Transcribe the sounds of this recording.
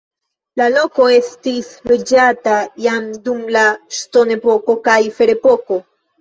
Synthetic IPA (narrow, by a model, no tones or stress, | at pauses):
lalo̞ko̞e̞stisɾed͡ʒatajamdumlaʃto̞ne̞po̞ko̞kajfe̞ɾe̞po̞ko̞